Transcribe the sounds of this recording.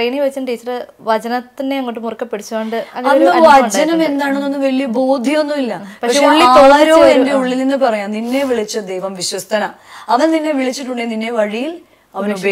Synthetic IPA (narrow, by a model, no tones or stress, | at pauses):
rejniʋɐt͡ɕːɐnʈiːt͡ɕːɐr | ʋɐd͡ʑɐnɐt̪ːineɐŋːoʈːɨmurɐkːɐpːeɽit͡ɕːuʋeːɳɖɨɐnɐonɾːɐɐɳd͡ʑɐnɐme̞nd̪aːɳonːonːɨʋɐɭijɐboːd̪ʱijo̞nːumilːɐpɐkɐkʂeeuɭːiaːt̪oɭɐɾoːende̞uɭːilninːɨpɐrɐjamninːe̞ʋiɭit͡ɕːɐd̪ejʋɐmʋiɕwɐst̪ɐna | ɐʋɐnninːe̞ʋiɭit͡ɕːiʈːuɳɖeninːe̞ʋɐɻijil | ɐʋɐnube